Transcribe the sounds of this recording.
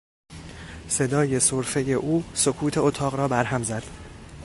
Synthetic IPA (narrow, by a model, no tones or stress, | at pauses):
se̞d̪ɒːje̞soɾfe̞je̞ʔuːsokʰuːt̪ʰe̞ot̪ʰɒːɣɾɒːbæɾɦæmzæd̪̥